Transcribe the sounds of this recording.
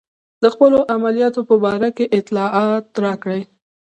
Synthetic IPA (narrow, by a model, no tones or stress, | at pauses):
d̪əxpəloʔamalijɑt̪opəbɑɾakeʔɪt̪lɑʔɑt̪ɾɑkɽəj